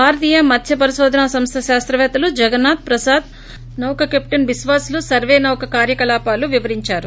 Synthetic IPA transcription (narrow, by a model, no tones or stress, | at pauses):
bʱaːɾɐt̪ijɐmɐd̪ʱʰjɐpɐɾiʃoːd̪ʱɐnaːsɐmst̪ʰɐʃaːst̪ɾɐʋɛːt̪ɐlud͡ʒɐɡɐnːaːt̪̚pɾɐsaːd̪̚ | nɐwkɐkep̚ʈɐnbisʋaːslusɐɾʋeːnɐwkɐkaːɾjɐkɐlaːpaːluʋiʋɐɾiɲt͡ʃaːɾu